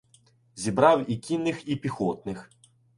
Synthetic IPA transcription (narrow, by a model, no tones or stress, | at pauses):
zʲibɾɑwikʲinːɪxipʲixɔt̪̚nɪx